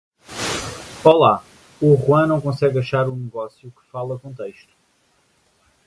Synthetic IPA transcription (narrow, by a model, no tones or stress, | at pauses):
ɔlˠa | uʁuɐ̃nɐ̃w̃kõsɛɣɐʃaɾũnɨɣɔsjukɨ̥falˠɐkõnt̪ɐjʃt̪u̥